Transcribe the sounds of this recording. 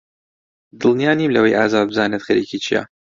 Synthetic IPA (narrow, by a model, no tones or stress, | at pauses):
d̪ɨlˠnijaːniːmlɐwejʔaːzaːd̪̚bɨzaːnet̪xɐɾḭkʰit͡ʃʰija̰